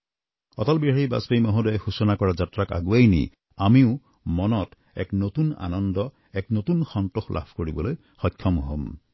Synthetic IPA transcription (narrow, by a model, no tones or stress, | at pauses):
ɔ̰tɔlbiɦaɹiba̰sbejmɔɦɔdɔjexusɔnakɔɹazatɹaka̰ɡuajnḭ | amiʊ | mɔnɔt | ɛ̰knotuna̰nɔndɔ | ɛknotunxɔntoxlʔa̰bʰʱkoɹibɔloj | xɔjkʰːɔmuɦɔm